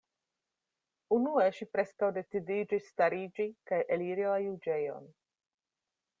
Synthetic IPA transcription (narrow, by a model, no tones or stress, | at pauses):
unueʃipɾe̞skawde̞t͡sidid͡ʒisːtaɾid͡ʒikajʔeliɾilajud͡ʒe̞jo̞̰n